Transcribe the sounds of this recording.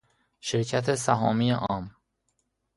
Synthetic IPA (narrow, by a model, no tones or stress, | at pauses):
ʃeɾcʰæt̪ʰesæɦɒːmijeʔɒːm